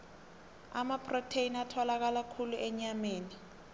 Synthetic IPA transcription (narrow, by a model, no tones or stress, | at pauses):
a̰mapʰrotʰeinatʰɔlak̬alakʰuluʔɛɲameːni